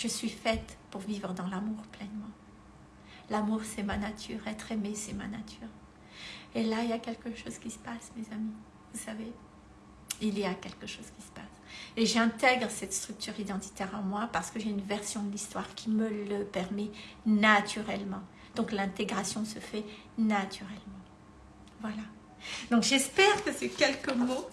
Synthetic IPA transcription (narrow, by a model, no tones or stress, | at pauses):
ʒ̥əsɥifɛt̪puʁvivʁəd̪ɑ̃lamuʁplɛnmɑ̃ | lamuʁsɛmanat̪ʰy̰ːʁɛt̪χemesɛma̰na̰t̪ʰyːʁ | elailjakʲɛlkəʃozkʲisə̥pasmezami | vusave | iljakʲɛlkəʃoz̥kʲisə̥paseʒɛ̃t̪ɛɡʁəsɛt̪st̪χyk̚t̪yʁid̪ɑ̃t̪i̥t̪ɛʁɑ̃mwapaʁsə̥kəʒeynvɛʁsjɔ̃d̪əlist̪waʁkʲʰimələpɛʁmɛnat̪ʰyʁɛlmɑ̃ | d̪̥ɔ̃klɛ̃t̪eɡʁasjɔ̃səfɛ | nat̪ʰyʁɛlmɑ̃ | vwala | d̪ɔ̃kʒɛspɛʁkəsɛkʲɛlkəmo